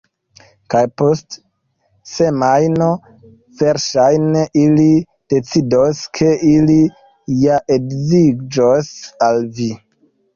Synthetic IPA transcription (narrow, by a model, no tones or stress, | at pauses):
kajpost | se̞majno | veɾʃajneʔili | d̥e̞t͡sidoskʰe̞ili | jaʔeɡziɡd͡ʒosalvi